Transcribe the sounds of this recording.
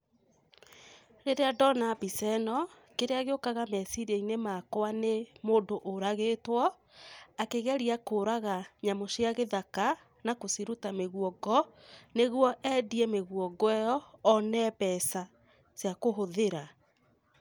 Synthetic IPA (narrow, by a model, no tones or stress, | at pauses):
ɾeɾeadɔnabisɛnɔ | keɾeaɣeokaɣamɛsiɾieinemakoanemoːndoʔoɾaɣetwɔ | akeɣɛɾiakoːɾaɣaɲamoʃjaɣeðaka | nakosiɾutameɣuɔɡɔ | neɣwɔʔɛdiɛmeɣuɔɡwɛjɔːnɛːpɛsa | sjakoɦoðeɾa